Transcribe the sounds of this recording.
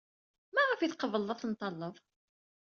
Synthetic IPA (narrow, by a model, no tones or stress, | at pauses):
mæʁafiθqəvəlˤːɑθənt̪ˤːɑlˤːəv